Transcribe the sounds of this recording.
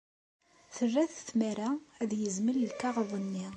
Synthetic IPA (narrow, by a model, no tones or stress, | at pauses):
θərːæθθmæɾææðjəzməllkɑʁðˤənːi